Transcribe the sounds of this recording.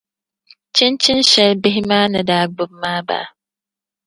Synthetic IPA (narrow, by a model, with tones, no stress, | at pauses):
t͡ʃʰɪ˦nt͡ʃʰɪ˦nɕɛ˦lbɪ˦ɦi˦maː˦nɨ̃˨daː˨ɡ͡bʊ˦b̚maː˦ba̰ː˨